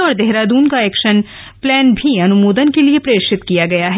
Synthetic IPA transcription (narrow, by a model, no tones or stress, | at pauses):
ɔːɾd̪eɦɾad̪uːnkaɛːkʃən | plɛːnbʱiɐnʊmoːd̪ənkeliepɾeːɾʃɪt̪kijaɡɐjaɦɛ